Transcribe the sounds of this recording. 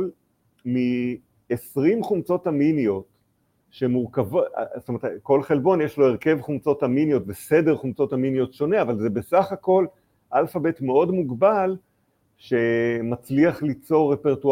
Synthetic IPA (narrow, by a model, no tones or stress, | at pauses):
l | mi | esʁimχumt͡so̞taminijo̞t | ʃemuʁkavo̰stometko̞lχe̞lbo̞njeʃlo̞eʁke̞vχumt͡so̞thaminjo̞tbesedeʁχumt͡so̞thaminijo̞tʃo̞neavalze̞be̞saχako̞l | ʔalfabe̞tmeo̞dmuɡbal | ʃe̞mat͡sliaχlit͡so̞ʁːepeʁtu